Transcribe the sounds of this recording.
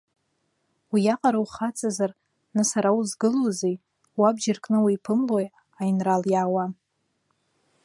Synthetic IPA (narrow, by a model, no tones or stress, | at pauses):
wijaqʼaɾawχat͡sʼazar | nɨsaɾauzɡɨlozej | wabd͡ʒarkʼnɨwijpʰɨmloj | ajinraljaːwa